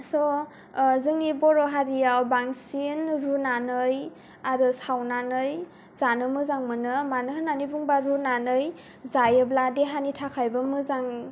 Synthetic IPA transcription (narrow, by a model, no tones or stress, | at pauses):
sɔ | zɯŋnibɔɾɔɦaɾijawbaŋsinɾunanɯj | aɾɯsawnanɯj | zanɯmɯzaŋmɯnɯmanɯɦɯnanibuŋbaɾunanɯj | zajɯbladeɦanitʰakʰajbɯmɯzaŋ